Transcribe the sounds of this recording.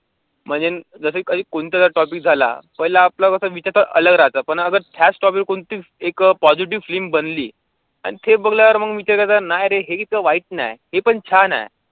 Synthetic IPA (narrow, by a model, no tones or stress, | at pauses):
m̤əɳd͡zed͡zəsəkədiːkoɳt̪jat̪aʈɔp̬ik̚d͡zʱala̰pəjlaːplakəsəʋit͡ɕaɾt̪əɾə̰ləɡɾat͡sapəɳəɡəɾt̪ʰjasʈɔpikkoɳt̪iːekpɔd͡ziʈ̬iʋflimbənliː | a̰ñit̪ʰebəɡljaʋəɾməɡʋit͡ɕəɾkət̪anajɾeɦekit̪̚kəʋaiʈ̚na̰jhepəɳt͡ɕʰana̰j